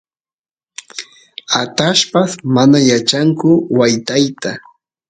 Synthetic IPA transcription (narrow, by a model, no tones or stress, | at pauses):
at̪aʃpasmanajat͡ʃaŋkʊwajt̪ajt̪a